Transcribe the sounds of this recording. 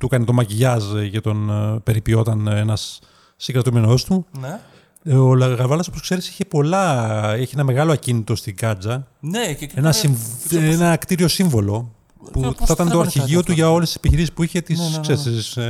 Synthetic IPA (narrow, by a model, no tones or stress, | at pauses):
t̪ukɐnet̪o̞mɐʝiʝɐzcet̪o̞npe̞ɾipio̞t̪ɐnenɐsː | iɡɾɐt̪ume̞no̞st̪u | olɣɐvɐlɐsoposkse̞ɾisi̥çe̞po̞lɐeçienɐme̞ɣɐlo̞ɐcinit̪o̞st̪iŋɡɐd͡zɐ | enɐsiɱenɐkt̪iɾio̞siɱvo̞lo̞ | puθɐt̪ɐnet̪oɐɾçiʝio̞t̪uʝɐo̞lest̪ise̥piçiɾisispuiçe̞t̪issessis